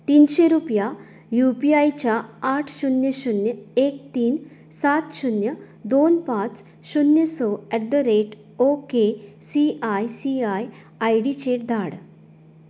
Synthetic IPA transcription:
t̪iːnɕeɾupja | jupiajt͡ɕjaːʈʰɕunjəɕunjəek̚t̪iːn | sat̪ɕunjə | d̪onpãt͡s | ɕunjəsɔɛʈd̪əɾeʈ | okesiajsiaj | ajɽit͡ɕeʈ̚d̪ʱaɽ

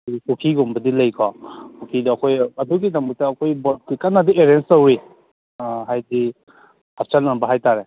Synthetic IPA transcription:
kukʰiɡɔmbɐdilɐjkʰɔpukʰidɐɐkʰojɐduɡidambutaːkʰojbɔl̚kikanadieɾenstowɾi | ɦajdi | hap̚t͡ʃalnambɐɦajtaɾe

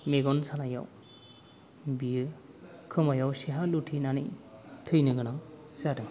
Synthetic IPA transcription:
meɡɔnsanaja̰w | biɯ | kʰɯmajawsiɦalutʰinanɯjtʰɯjnɯɡɯnaŋ | zadɯŋ

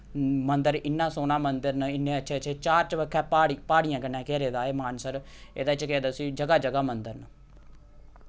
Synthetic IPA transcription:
mənd̪əɾɪnːãːsoːnaːmənd̪əɾnəɪnːeːəʃʰeːt͡ʃʰeːt͡ʃaːɾt͡ʃəʋəkʰːɛːpaːɽpaːɽɪjãːkənːɛ̃ːkɛːɾeːd̪aːeːmaːnsəɾ | ḛːd̪aːt͡ʃkɛːd̪aːsiːd͡ʒəɡaːd͡ʒəɡaːmənd̪əɾnə

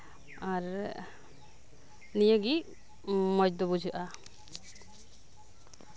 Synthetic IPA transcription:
aɾ | nijəɡi | mɔjd̪ɔbud͡ʒʱɯʔa

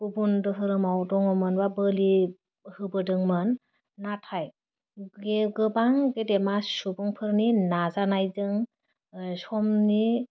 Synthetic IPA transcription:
bubundɯɦɯɾɯmawdɔŋɔmɯnbabəli | hɯbɯdɯŋmɯnː | atʰaj | ɡeɡɯbaŋɡedemasubɔŋpʰɯɾninazanajzɯŋ | sɔmni

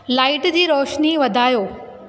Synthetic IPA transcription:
laːɪʈd͡ʑiːɾɔːʃniʋɐd̪ʱaːjoː

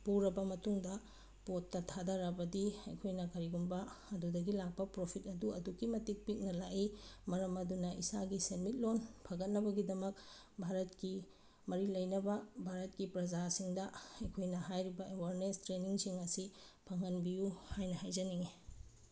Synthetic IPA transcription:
puɾɐbɐmɐtuŋdɐ | potːɐtʰadaɾɐbɐdiɐ̰jkʰojnɐkɐɾiɡumbɐɐdudɐɡilak̚pɐpɾopʰitɐduɐduɡimɐtik̚pik̚nɐlaʔimɐɾɐmɐdunɐʔisaɡisenmit̚lonpʰɐɡɐt̚nɐbɐɡidɐmɐk̚ | bʱaɾɐt̚ki | mɐɾilɐjnɐbɐbʱaɾɐt̚kipɾɐd͡ʒasiŋdɐɐjkʰojnɐɦajɾibɐewaɾnestɾeniŋsiŋɐsipʰɐŋɐnbijuhajnɐhajd͡ʒɐniŋi

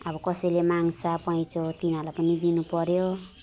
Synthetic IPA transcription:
ʌbʌkʌsʌjlemaŋsapʌĩt͡sot̪inalapʌnid̪inupʌɾjo

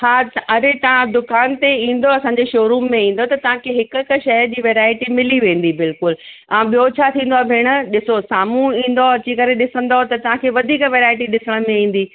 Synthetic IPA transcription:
haːɐɾet̪ɐʋ̤ãd̪ʊkaːnt̪eĩːn̆d̪oɐsãːɲd͡ʑeʃoːɾuːmːẽĩːn̆d̪ot̪ɐt̪ɐʋ̤ãkʰeɦɪkkʃɐjd͡ʑiːʋeːɾaːɪʈimɪliʋẽːn̆d̪ibɪlkʊl | ãɓijot͡ɕʰat̪ʰĩːnd̪oaːbʱɪɽ̃ʊ̆ɗɪsosaːmũĩːn̆d̪oɐt͡ɕikɐɾeɗɪsə̃nd̪ot̪ɐt̪ɐʋ̤ãkʰeːʋɐd̪ʱiːkʋeːɾaːɪʈiɗɪsəɽ̃mẽĩːn̆d̪iː

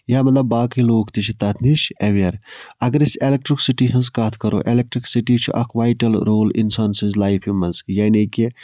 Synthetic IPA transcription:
jaːmɐt̪lɐbːaːkiloːkt̪it͡ʃʰit̪ɐt̪ʰniʃɐʋiɐɾɐɡɐɾiselek̚ʈɾiksiʈiːɦɐns̬kɐt̪ʰkɐɾʔo̰ːʔelek̚ʈɾiksiʈiːt͡ʃʰṵʔɐ̰kʰʋajʈɐlɾoːlḭnsaːnsɐ̃nzlaːjfʰjumɐnzjɐneki

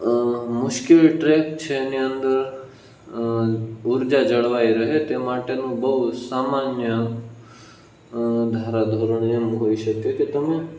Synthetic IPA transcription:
mʊʃkɪlʈɾeːk̚t͡ʃʰeniə̃nd̪əɾ | ʊɾd͡ʒad͡ʒɐɽʋaːiɾɐɦet̪emaːʈenũbɐɦut̪saːmaːnjə | d̪ʱaːɾad̪ʱoɾəɳ̃ɪjəmɦoːiʃəkekit̪ɐmẽ

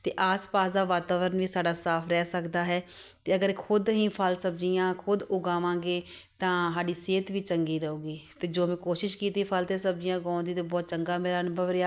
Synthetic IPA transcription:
t̪eːʔaːspaːsd̪aːʋaːt̪aːʋəɾənʋiːsaːɖaːsaːpʰɾɛːsəkd̪aːɦɛːt̪eːəɡəɾkʰʊd̪ɦĩːpʰəlsəbd͡ʒijãːkʰʊd̪ʊɡaːʋãːɡeːt̪ãːɦaːɖiːseːt̪ʋiːt͡ʃəŋɡiːɾəoːɡiːt̪eːd͡ʒoːmɛ̃ːkoːʃɪʃkiːt̪iːpʰəlt̪eːsəb̚d͡ʒɪjãːɡãːnd̪iːt̪eːbɔːt̪̚t͡ʃəŋɡaːmeːɾaːnbəʋɾɪaː

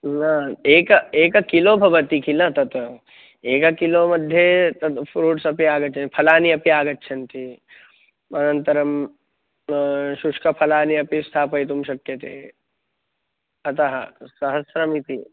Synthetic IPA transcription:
naːeːkɐeːkɐkiloːbʱɐʋɐt̪ikʰilɐt̪ɐt̪ | eːkɐkiloːmɐd̪ʱjet̪ɐt̪pʰɾuːʈsɐpiaːɡɐtːt͡ʃʰɐnpʰɐlaːniɐpiaːɡɐtːʃʰɐnt̪i | ɐnɐnt̪ɐɾɐm | ʃuʂkɐpʰɐlaːniɐpist̪ʰaːpɐjt̪̬umʃɐkjɐt̪ḛː | ɐt̪ɐɦɐ̰sɐɦɐsɾɐmit̪i

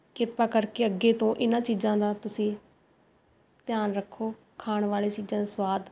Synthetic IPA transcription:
kɪpaːkəɾkeːəɡeːt̪õːʔɪnãːt͡ʃiːd͡ʒãːd̪aːt̪ʊsĩː | t̪ɪjaːnɾəkʰːoː | kʰaːɳʋaːleːt͡ʃiːd͡ʒãːswaːd̪

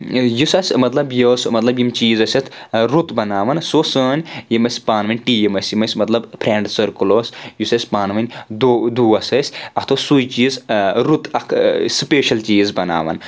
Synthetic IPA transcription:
jusɐsʲmɐt̪lɐbjoːsmɐt̪lɐbjimt͡ʃiːzɐsʲɐt̪ʰɾut̪bɐnaːʋɐnsoːsəːnʲjimɐsʲpaːnʋɐnʲʈiːjimɐsʲjimɐsʲmɐt̪lɐbpʰɾeːɳɖsɐɾkuloːsjusɐsʲpaːnʋɐnʲd̪d̪uːɐsɐsʲɐt̪ʰosujt͡ʃiːzɾut̪ɐkʰspeːʃɐlt͡ʃiːzbɐna̰ːʋɐ̰n

